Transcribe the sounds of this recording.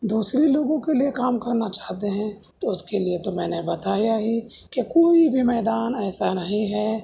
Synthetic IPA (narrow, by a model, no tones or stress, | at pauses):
d̪uːsɾiloːɡõkeliekaːmkɐɾnat͡ʃaːɦt̪eɦɛ̃ | t̪oʊskeliet̪omɛ̃ːnebɐt̪aːjaɦi | kekoːibʱimɛːd̪aːnɛːsanɐɦĩɦɛː